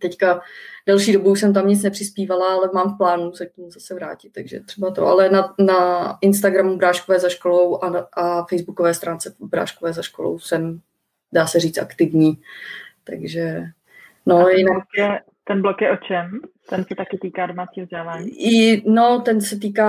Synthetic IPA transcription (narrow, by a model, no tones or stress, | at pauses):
t̪ɛckadɛlʃiːdo̞buuʃsɛmt̪̬amɲɪt͡snɛpr̝̥ɪspiːvalaalɛmaːmfplaːnusɛcimzasɛvɾa̰ːcɪ̥t̪ːaɡʒɛ̰t̪r̝̥ɛbat̪o̰ʔa̰lɛnanaɪnst̪aɡɾamubɾaːʃkovɛːzaʃkolo̞wʔaʔafɛjzbukovɛːst̪ɾaːnt͡sɛbɾa̰ːʃkovɛːzaʃkolo̰wsɛm | daːsɛriːt͡sʔakt̪ɪvɲiːt̪a̰ɡʒɛ | nojɪnakɛ | t̪ɛnblokjɛʔot͡ʃɛmt̪ɛnsɛt̪akɪt̪iːkaːdomat͡siːzɟɛlaːɲɪnot̪ɛnsɛt̪̬iːkaː